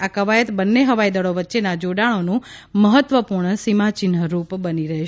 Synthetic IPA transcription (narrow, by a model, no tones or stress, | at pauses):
akəʋajət̪bənːeɦəʋajd̪əɭoʋətːʃenad͡ʒoɽaɭ̃onũməɦət̪ːʋəpuɾɳsimat͡ʃɪnɦəɾupbəniɾəɦe